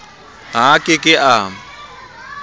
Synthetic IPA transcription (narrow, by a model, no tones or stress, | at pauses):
ɦakʼɪkʼɪʔa